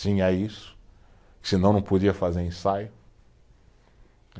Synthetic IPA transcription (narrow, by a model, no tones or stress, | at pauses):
sĩɛisʊ̥ | kɪ̥sɪnɐ̃w̃nɐ̃w̃pod͡ʒiɐfazeɾẽsajʊ